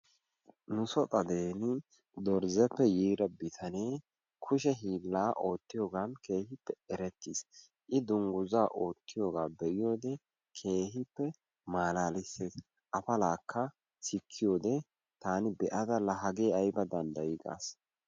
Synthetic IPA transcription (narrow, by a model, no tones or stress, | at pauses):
nʊsɔt̪ʼɐd̪eːnɪ | d̪ɔɾzɛpːɛjiːɾɐbɪt̪ʰɐne̞ː | kʰʊʃ̬ɛɦiːlːaːʔo̞ːt̪ːɪjo̞ːɡaːnke̞ːhɪpːɛɛɾɛt̪ːis | ʔɪd̪ʊŋɡʊzaːʔo̞ːt̪ːɪjo̞ːɡaːbɛʔɪjo̞ːd̪ɛ | kʰe̞ːɦɪpːɛ | maːlaːlɪseːs | ʔɐfɐlaːkːɐ | sɪkʰːɪjo̞ːd̪ɛ | t̪aːnɪbɛʔɐd̪ɐlɐɦɐɡe̞ːɐjbɐd̪ɐnd̪ɐjɪɡa̰ːs